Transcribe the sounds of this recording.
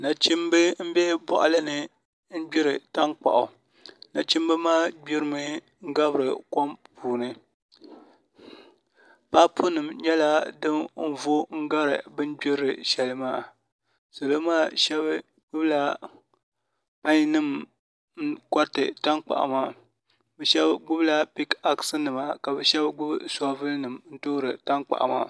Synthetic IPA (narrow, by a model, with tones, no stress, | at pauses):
na˨t͡ʃi˦mbɨ˦m̩˦bɛ˦bɔ̰˨ʔa˨lɨ˦nɨ˦ | n̩˦ɡ͡bi˦ɾɨ˨ta˦k͡pa̰˨ʔʊ˨ | na˨t͡ʃi˦m˦bɨ˦maː˦ɡ͡bbi˦ɾɨ˦mɨ˦ | ŋ̩˦ɡa˦bɨ˨ɾɨ˨ko˦mpʰuː˨nɨ˦ | pa˦pʰu˦nɨ˨mɲɛ˦la˦dɨ˦m̩˦vo˦ŋ̩˦ɡa˦ɾɨ̰˨bɨ˦n˦ɡ͡bi˦ɾɾɨ˨ʃɛ˨lɨ˦maː˦˨ | so˨lo˦maː˦˨ʃɛ˦b | ɡ͡bʊ˦bla˦ | pa˦ɲ˦nɨ˦˨m | n̩˦ka˦tɨ̰˨ta˦nk͡pa̰˨ʔa̰˨ma˦ | bɛ˨ʃɛ˦bɡ͡bʊ˦bla˦pi˦ka˦ksɨ˦nɨ˨ma˨ka˨bɛ˨ʃɛ˦bɡ͡bʊ˦bɨ˦sa˦vɨ˦lnɨ˨mn̩˦to˦ɾɨ˨ta˦ŋk͡pa̰˨ʔa̰˨ma̰˦˨